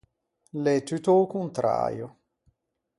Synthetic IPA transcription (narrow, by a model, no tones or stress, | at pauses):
let̪yt̪okunt̪ɾa̰ːjo